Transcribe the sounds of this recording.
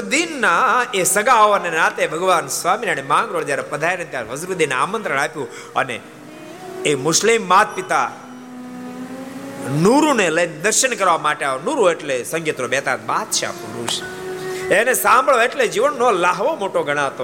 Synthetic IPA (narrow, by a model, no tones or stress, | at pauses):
d̪inːaesəɡaoənenaːt̪ebʱəɡʋaːnsʋaminañemãːŋɡɾoɭd͡ʒ̪jaɾepəd̪ʱajnet̪jaɾɦəzɾud̪ina̰ːmənt̪ɾəɽ̃apjũ | ə̰nḛː | mʊʃlimːat̪̚pit̪a | nuɾuneləjned̪əɾʃəɳkəɾʋamaʈeaonuɾueʈlesə̃ŋɡit̪ɾobɛːt̪a̰t̪̚ba̰t̪̚t͡ʃʰea̰ːpuɾṵʃ | enesãmbʱəɭoeʈled͡ʒiʋənːolaɦʋomoʈoɡʱəɽ̃ãt̪o